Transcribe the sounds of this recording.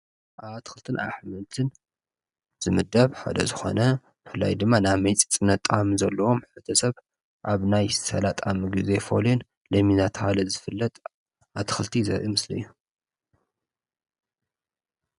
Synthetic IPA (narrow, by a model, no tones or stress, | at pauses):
ʔaβat̪ʰɨ̥xɨlt̪ʰɨnʔa̰ħmɨlt̪ʰɨn | z̥ɨmɨd̪ɐβħa̰d̪ɐ̰zɨxo̞̰nɐ | b̥ɨfɨlːa̰jd̪ɨmːanaβmɐjt͡sʼit͡sʼɨnɐt̪ʼamzɐlːɐwo̞mħɨt̪ʰɐsɐβ | ʔaβnajsɐlat̪ʼamɨɡɨze̞fo̞̰lon | lɐminat̪ʰhalɐzɨfɨlːɐt̪ʼ | at̪ʰɨ̥xɨlt̪ʰizɐ̰ɾʔimɨslɨ̰jːu